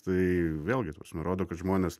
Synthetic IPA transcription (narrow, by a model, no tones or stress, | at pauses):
t̪ɐɪʋʲeːlʲˠɡʲɪt̪ɐpɾɐsmʲɛɾoːd̪oːkɐt̪ʒmoːnʲeːs